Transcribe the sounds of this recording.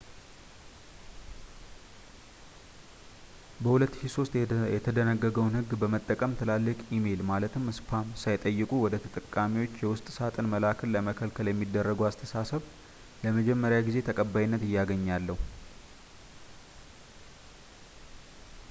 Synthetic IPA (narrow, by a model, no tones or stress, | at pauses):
bəhulət̪ːɨʃiso̞st̪jɛt̪ʰəd̪ənəɡːəɡəwnhɨɡbəmət̪ʼːəkʼəmt̪ʰɨlalːɨkʼime̞lmalət̪ʰɨmɨspʰamsajt̪ʼəjːɨkʼuwɔd̪ət̪ʰət̪ʼəkʼːamiwo̞t͡ʃːjɛwʊst̪ʼsat̪ʼɨnməlakʰəlːəməkʰəlkʰəljɛmːid̪ːərːəɡəwast̪ʰəsasəβ | ləməd͡ʒɛmːəɾjaɡize̞t̪ʰəkʼəbːajinːət̪ɨjːaɡəɲːalːəhu